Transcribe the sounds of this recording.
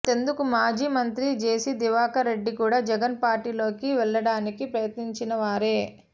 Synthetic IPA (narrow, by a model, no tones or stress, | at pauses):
t̪e̞nd̪ukumaːd͡ʒiːmɐnt̪ɾid͡ʒe̞ːsid̪iʋaːkɐɾe̞ɖːikuːɽaːd͡ʒɛɡɐnpaːɾʈiːlo̞ːkiʋɛɭːɐɽaːnikipɾɐjɐt̪niɲt͡ʃinɐʋaːɾe̞ː